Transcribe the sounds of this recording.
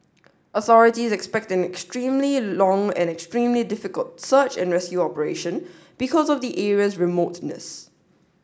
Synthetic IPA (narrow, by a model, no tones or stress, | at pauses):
ʔəθɔɹɪtizɛkspɛk̚tɛ̃nɛkstɹĩːmlilɔ̃ŋɛ̰̃nɛkstɹĩmlidɪfɪkəltsət͡ʃɛ̰̃nɹɛskjuɔpəɹeʃə̃n | b̥ikʰɔzɔvdiʔɛɹiəsɹimotnə̰s